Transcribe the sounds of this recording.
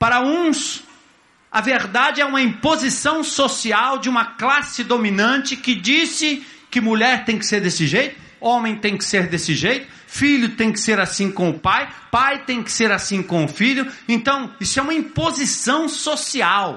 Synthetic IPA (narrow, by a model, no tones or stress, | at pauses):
paɾɐũs | ɐveɾd̪ad͡ʒɪɛũmɐĩpozisɐ̃w̃sosiawd͡ʒɪũmɐklasɪd̪ominɐ̃nt͡ʃɪkɪd͡ʒisɪ | kɪmuʎɛɾt̪ẽj̃kɪ̥seɾd̪esɪʒejt̪ʊ̥ | õmẽj̃t̪ẽj̃kɪ̥seɾd̪esɪʒejt̪ʊ̥ | fiʎʊt̪ẽj̃kɪ̥seɾasĩkõʊpajpajt̪ẽj̃kɪ̥seɾasĩkõʊfiʎʊẽnt̪ɐ̃w̃isʊɛũmɐĩpozisɐ̃w̃sosiaw